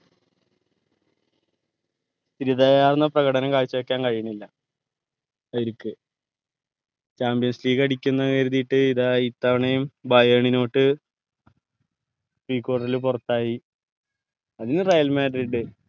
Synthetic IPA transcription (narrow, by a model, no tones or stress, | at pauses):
st̪iɾiðajaːrnːɐprɐɣɐɽɐnɐmkaːɻt͡ɕːɐekːaːnkɐɻijɐɳilːɐ | ɐjiɾukːɨ | t͡ɕaːmbijɐnsliːɣɐɽikʲːunːɐkeɾuðiʈːɨiðait̪ːɐʋɐɳejumbaːjeɳino̞ːʈːɨ | riːkːo̞ːɽɐrilupurɐt̪ːaːji | ɐðinːɨrɐjɐlmeːɖɐɾiɖɨ